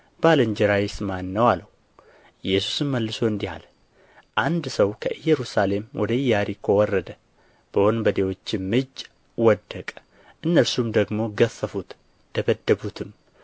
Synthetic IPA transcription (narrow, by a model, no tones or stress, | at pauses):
b̥aləɲd͡ʒɛɾajismanːəwaləh | ɨjːɛsu̥sɨmːəlːɨso̞ɨnd̪iha̰l | ʔand̪səwkʰəʔɨjːɛɾusale̞mwʔɔd̪əɨjːaɾikʰowɔrːəd̪ə | b̥əhonbəd̪e̞wo̞t͡ʃːɪmːɨd͡ʒ | wɔd̪ːəkʼə | ʔɨnːəɾsumd̪əɡmo̞ɡəfːəfut̪ | d̪əbəd̪ːəbut̪ʰɨm